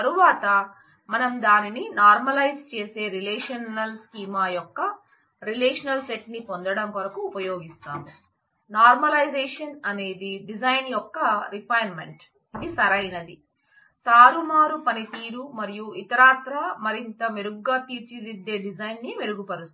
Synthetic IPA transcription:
t̪ɐɾuʋaːt̪ɐ | mɐnɐmd̪aːnininaːɾmɐlɐjst͡ʃeːse̞ːɾilɛːʂɐnɐlskiːmaːjɔkːɐ | ɾileːʂɐnɐlseʈnipond̪ɐɽɐmkɐɾɐkuːpɐjo̞ːɡist̪aːmu | naːɾmɐlɐjd͡ʒeːʂɐnɐne̞ːd̪iɖid͡ʒɐjnjɔkːɐɾipʰɐjɐnme̞̰ɳʈ | id̪isɐɾɐjnɐd̪i | t̪aːɾumaːɾupɐnit̪iːɾumɐɾijuit̪ɐɾaːt̪ɾɐmɐɾint̪ɐmeɾuɡːaːt̪iːɾt͡ʃilid̪ːe̞ːɖid͡ʒɐjnːiʋeɾuɡupɐɾus

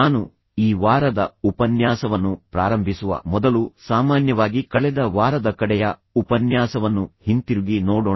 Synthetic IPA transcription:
aːnu | iːʋaːɾɐd̪ɐupɐnjaːsɐʋɐnːupɾaːɾɐmbʱisuʋɐ̰mɔd̪ɐlusaːmaːnjɐʋaːɡikɐɭɛd̪ɐʋaːɾɐd̪ɐkɐɽɛjɐupɐnjaːsɐʋɐnːuhint̪iɾuɡinoːɽo

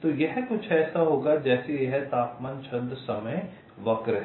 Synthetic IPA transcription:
t̪ojɛɦkʊt͡ʃʰɛːsaɦoːɡad͡ʒɛːsieɦɛt̪aːpmãːnt͡ʃʰɐ̃nd̪sɐməj | ʋɐkɾɦ

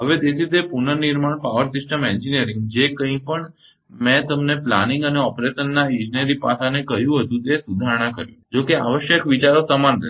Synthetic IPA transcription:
ɦəʋet̪et̪ʰit̪epunəniɾmaɳpaʋəɾsɪsʈəmɛ̃ɲd͡ʒiniəɾɪ̃ŋɡd͡ʒekə̃ɦĩpəɳ | mɛ̃t̪əmnepla̰nɪŋɡəneɔpɾeʃənːaĩd͡ʒinəɾipa̰sʰanekəɦjũɦət̪ũt̪esud̪ʱaɾɽ̃ãkəɾjṵ̃d͡ʒokea̰ʋəʃjəkʋit͡ʃaɾosəmanɾə̰

